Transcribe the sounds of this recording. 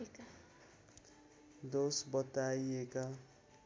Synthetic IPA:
d̪osbʌt̪ajeka

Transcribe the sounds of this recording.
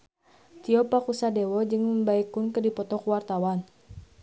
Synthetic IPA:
t̪iɔpakusadɛwɔd͡ʒɨŋməmbaikunkədipɔt̪ɔkuwart̪awan

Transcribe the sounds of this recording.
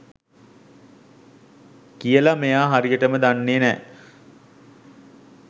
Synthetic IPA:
kijəlamejaːɦaɾijəʈəməd̪anːeːnɛ̰ː

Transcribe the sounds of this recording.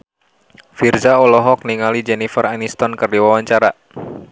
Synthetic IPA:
firzaɔlɔɦɔk̚niŋalid͡ʒɛnifəranist̪ɔnkərdiwawaɲt͡ʃaɾa

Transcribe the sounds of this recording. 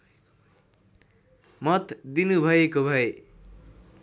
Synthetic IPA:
mʌt̪d̪inubʱʌekobʱʌe

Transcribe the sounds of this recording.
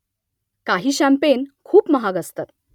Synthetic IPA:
kaɦiːɕæmpenkʰuːpməɦaɡəst̪at̪

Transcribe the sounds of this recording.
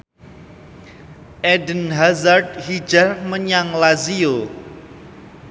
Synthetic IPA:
ʔɛdənɦazart̪̚hi̥d͡ʒarməɲaŋlazio

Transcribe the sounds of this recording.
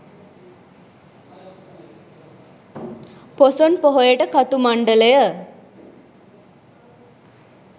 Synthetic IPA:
posonpɔɦojeʈəkat̪umaɳɖələjə

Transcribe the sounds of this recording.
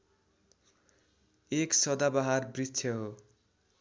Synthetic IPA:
eksʌd̪abaɦarbritːʰjʌɦo

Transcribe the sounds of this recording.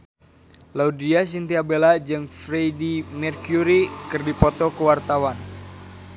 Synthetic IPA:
laudias̬int̪iabelad͡ʒɨŋfɾejdimɛrkjuɾikɨrdipɔt̪ɔkəwart̪awan

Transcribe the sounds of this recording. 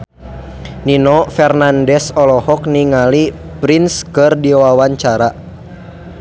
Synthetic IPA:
ninɔfɛrnandɛsɔlɔhɔk̚niŋali | pɾinskɨrdiwawaɲt͡ʃaɾa

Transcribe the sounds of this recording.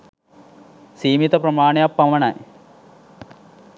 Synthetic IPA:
siːmit̪ɐpɾɐmaːɳejapːɐmɐɳɐ̰j

